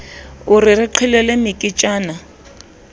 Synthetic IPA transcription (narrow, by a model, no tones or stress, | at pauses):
ʊrɪrɪǃʰɛlɛlɛmɪkʼɪt͡ʃʼaːna